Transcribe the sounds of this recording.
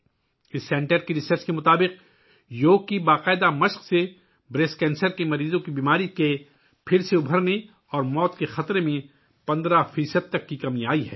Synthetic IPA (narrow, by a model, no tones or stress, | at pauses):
ɪsːɛ̃ːɳʈəɾkiɾɪsəɾt͡ʃkemʊt̪aːbɪq | joːɡ̚kibaːqaːɪd̪amɐʃqse | bɾeːskɛ̃ːnsəɾkemɐɾiːzõkibiːmaːɾike | pʰɪɾseʊbʱəɾne | ɔːɾmɔːt̪kexɐt̪ɾemẽ | pɐ̃nd̪ɾafiːsəd̪̚t̪ɐkːikɐmiaːiɦɛ̰ː